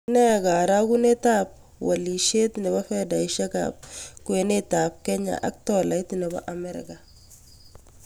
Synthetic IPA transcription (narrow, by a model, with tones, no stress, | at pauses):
nɛ˦ɡa˨ɾa˦ku˦ne˦ta˦p̚ | wa˨li˨ʃe˦t̪ne˨ba˦fɛ˦da˨i˨ʃa˦ka̰p̚ku˨e˨ne˦ta˨p̚kɛ˦ɲa̰˨ʔa̰˨k̚tɔ˨la˨jt̪nɛ˨ba̰˦ʔa˨mɛ˦ɾɪ̰˨ka˨